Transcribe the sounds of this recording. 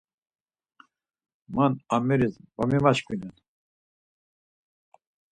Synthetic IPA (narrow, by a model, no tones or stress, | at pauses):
manamɛɾizvamimat͡ʃkʰʼinɛn